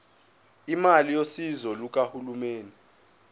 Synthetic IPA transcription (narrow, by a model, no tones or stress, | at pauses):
imalijosizɔluk̬ʼahulumeːni